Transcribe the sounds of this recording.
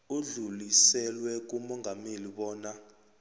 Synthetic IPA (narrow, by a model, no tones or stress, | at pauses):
uɮulisɛlwɛk̬umɔŋɡʱameliɓɔːna